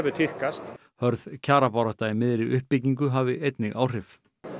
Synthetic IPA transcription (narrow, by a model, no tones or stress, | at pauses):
vʏt̪ʰɪhkast̪ | hœɾðcʰaːɾapawɾaht̪amɪðɾɪʏhpːɪciŋk̬ʏɦaːvɪʔejt̪nɪɣa̰ːwr̥ɪf